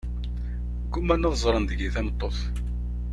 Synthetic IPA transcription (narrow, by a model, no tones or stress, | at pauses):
kːumːænːæðzˤɾˤɑnd̪əɡiθænət̪ˤːoθ